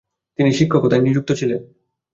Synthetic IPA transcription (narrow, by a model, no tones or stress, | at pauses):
t̪iniʃikʰːokot̪ajnid͡ʑuk̚t̪ot͡ɕʰilen